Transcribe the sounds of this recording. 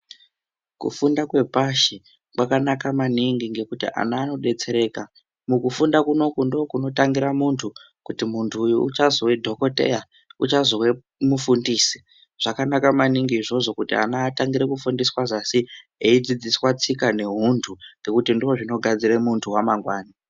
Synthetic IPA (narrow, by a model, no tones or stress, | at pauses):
kṵfundakwe̞paʃe | kwakanakamaniŋɡiŋɡe̞kutḭʔa̰naːno̞ɗe̞t͡se̞ɾe̞ːka | mukufundakuno̞kundo̞ːkuno̞taŋɡiɾamuntʰu | kutimuntʰuːjuut͡ʃazowe̞dʱo̞ko̞te̞̰ja | ut͡ʃazo̞we̞ | mufundiːsi̥ | ʐ̥akanakamaniŋɡiːʐo̞ʐo̞kutḭa̰naːtaŋɡiɾekufundiswaʐasieid͡zid͡ziswat͡sikane̞ɦuntʰuŋɡe̞kutindio̞ʐino̞ɡʱad͡ziremuntʰuwamaŋɡwaːni